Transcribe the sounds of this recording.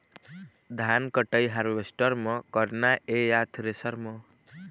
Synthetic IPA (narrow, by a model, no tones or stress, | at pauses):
d̪ʱankəʈəjɦaɾʋesʈəɾmʌkʌɾnaejat̪ʰɾesʌɾmʌ